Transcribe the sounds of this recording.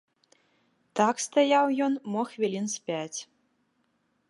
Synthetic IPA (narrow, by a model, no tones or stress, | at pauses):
t̪akst̪ajawjɔnmɔxvʲilʲinsʲpʲat͡sʲ